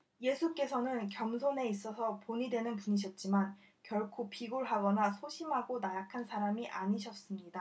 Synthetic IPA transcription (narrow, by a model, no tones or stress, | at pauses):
je̞sʰuk͈e̞sʰʌnɯnkjʌmsʰone̞is͈ʌsʰʌpoɲidwe̞nɯnpuɲiɕ̬ʰʌt̚t͡ɕ͈iman | kjʌɭkʰopʰiɡoɭɦaɡʌnasʰoɕʰimɦaɡonajakʰansʰaɾamiʔaɲiɕʰʌs͈ɯmɲida